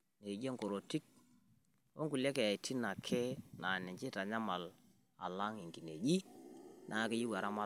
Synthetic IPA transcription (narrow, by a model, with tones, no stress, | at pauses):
ne˨d͡ʒe˦ŋko˨ɾo˨ti˦k̚ | wo̰˦ŋku˨le˦ke˨a˨i˨tʰi˦na˨kʰɛ˦na˨nɛ˨ɲt͡ʃe˦ta˨ɲa˦ma˨l | a̰˨la˦ŋi˨ŋɡi˨ne˨ɡi˦nʔa˨kɪ˦ji˦wa˨ɾa˦ma˦